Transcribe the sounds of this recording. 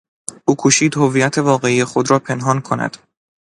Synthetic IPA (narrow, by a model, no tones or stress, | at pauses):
ʔuːkʰuʃiːd̪hovijæt̪ʰe̞vɒːɣe̞iːjexo̞d̪ɾɒːpʰe̞nɦɒːnkʰo̞næ̰d̪̥